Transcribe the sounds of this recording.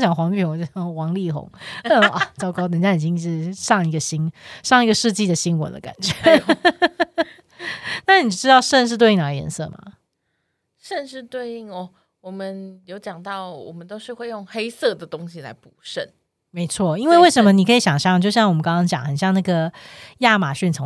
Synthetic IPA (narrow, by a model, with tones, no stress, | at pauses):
t͡ɕjɑ˨˩ŋxwɑ˧˥ŋli˥˩xo˧˥ŋo˥˧˩xwɑ˧˥ŋli˥˩xʊ̰˧˥˦ŋə˥˩a˨˩t͡sɑ˥ʊkɑ˥ʊt̪ə˨˩nt͡ɕja˥˩i˨˩t͡ɕi˥ŋ˥˧ʂɻ̩˥˧˩ʂɑ˥˧ŋi˧˥ɡə˨ɕi˥ŋʂɑ˥˩ŋi˥ɡə˨ʂɻ̩˥˧t͡ɕi˥˩d̪ə˩ɕi˥nwə̰˨˩˦d̪ə̰˦˩ka̰˨˩nt͡ɕɥɛ˧˦ | na˥˩ni˨˩ʈ͡ʂɻ̩˥t̪ɑ˥˧ʊʂə˥˧nʂ̬ɻ̩˥˧t̪we˥˧ɪi˥˩ŋla˧ɪjɛ̰˧˥˦nsɤ̰˥˩ma̰˨˩ | ʂə˥˧nʂɻ̩˥˧t̪we˥˧ɪi˥˩ŋɔ˥˩ | wɔ˨˩mə˦njo˧˥ʊt͡ɕjɑ˨˩ŋt̪ɑ˥˩ʊwɔ̰˨˩mə˦nt̪o˥ʊʂɻ̩˥˧xwe˥˧ɪjʊ˥˩ŋxe˥ɪsɤ˥˩d̪ə˩t̪o˦˥ŋɕi˨la̰˧˥ɪpu˨˩ʂə˥˩n | me˧˥ɪt͡sʰwɔ˥˩i˥nwe˥˧we˥˩ɪʂə˧˦nmə˧ni˨kʰi˧˦ɕjɑ˨˩ŋɕjɑ˥˧ŋt͡ɕjo˥˧ʊɕjɑ˥˩ŋwɔ˨˩mə˦kɑ˥ŋkɑ˥ŋt͡ɕjɑ̰˨˩ŋxə˨˩nɕjɑ˥˧ŋna˥˩ɡə˩ja˥˩ma˨˩ɕy˥˩nt͡sʰo˧˦